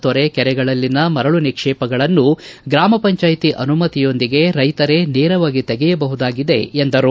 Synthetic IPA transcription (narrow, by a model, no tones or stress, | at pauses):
t̪ɔɾekɛɾɛɡɐɭɐlːinɐmɐɾɐɭunikʂɛːpɐɡɐɭɐnːuɡɾaːmɐpɐɲt͡ʃaːjt̪iʔɐnumɐt̪ijo̞nd̪iɡe̞ɾɐjt̪ɐɾe̞neːɾɐʋaːɡit̪ɛɡɛjɐbɐɦud̪aːɡid̪e̞̰ːnd̪ɐɾu